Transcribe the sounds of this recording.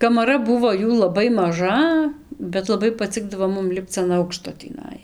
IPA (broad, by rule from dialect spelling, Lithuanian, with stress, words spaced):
kɐmɐˈrɐ ˈbʊʋoː ˈjuː lˠɐˈbɐɪ mɐˈʒɐ bʲɛt lˠɐˈbɐɪ pɐˈt͡sʲɪɡdɐʋoː ˈmʊm ˈlʲɪpt͡s ɐn ˈɐʊkʃtoː tʲiːˈnɐɪ